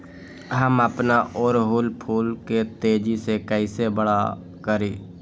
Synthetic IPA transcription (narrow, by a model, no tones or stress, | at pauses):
ɦəməpnaʔɔːɾɦʊːlpʰuːlket̪eːd͡ʒisekəɪsebəɽa | kəɾiː